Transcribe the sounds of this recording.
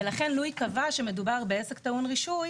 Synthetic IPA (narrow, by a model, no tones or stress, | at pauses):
elaχe̞nlujkavaʃeme̞dubaʁbeese̞ktaunʁiʃuj